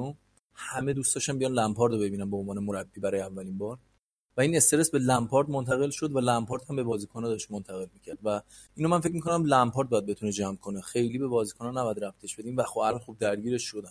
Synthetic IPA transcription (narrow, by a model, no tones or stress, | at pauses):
o | hæme̞d̪uːst̪ɒːʃæmbijɒnlæmpʰɒːɾd̪obe̞biːnænboonvɒːnemoɾæbːiːbæɾɒːjeævːæliːnbɒːɾ | væiːne̞st̪eɾesbe̞læmpʰɒɾd̪mont̪ʰæɣe̞lʃo̞d̪vælæmpʰɒːɾt̪hæmbe̞bɒːziːkʰonɛd̪ɒʃt̪mont̪ʰæɣe̞lmiːcʰæɾd̪væ | iːnomænfe̞c̬̚mikʰonæmlæmpʰɒːɾt̪̚bɒːjæd̪̚be̞t̪uned͡ʒæmkʰonexe̞jliːbe̞bɒːziːkʰonɒnæbjæd̪ɾæft̪ʰeʃb̥e̞d̪iːmvæxobælɒnxub̚d̪æɾɟiːɾe̞ʃʃod̪æn